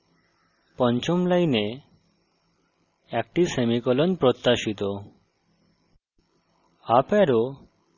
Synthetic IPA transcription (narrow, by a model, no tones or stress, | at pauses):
pɔnt͡ɕomlajne | ɛk̚ʈisemikɔlonpɾot̪ːaʃit̪o | apɛɾo